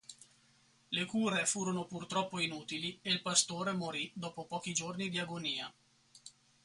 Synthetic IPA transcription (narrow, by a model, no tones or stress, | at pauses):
lekuːɾefuːɾonopurt̪ɾɔpːoinuːt̪ilieilpast̪oːɾemoɾid̪ɔːpopɔːk̟id͡ʒornid̪iaɡoniːa